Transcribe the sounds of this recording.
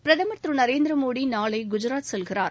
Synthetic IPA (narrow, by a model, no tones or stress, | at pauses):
pɪɾɐðɐmɐt̪ɾɯnɐɾeːnd̪ɾɐmoːɽinaːlɐɪɡʊd͡ʒʊɾaːt̪sɔlɣɪɾa̰ːɾ